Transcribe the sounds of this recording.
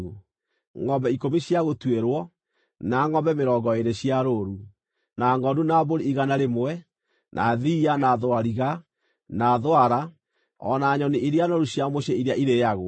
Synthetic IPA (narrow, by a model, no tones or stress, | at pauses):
ŋɔmbɛikomiɕjaɣotweɾwɔ | naŋɔmbɛmeɾɔːɡɔeɾeɕiaɾoɾu | naŋɔdunaboɾiiɣanaɾemowɛ | nʔa̰ðiːanaðoaɾiɣa | naðoaɾa | ɔ̰naɲɔniiɾeanoɾuɕjamoɕɛiɾeaʔiɾejaɣo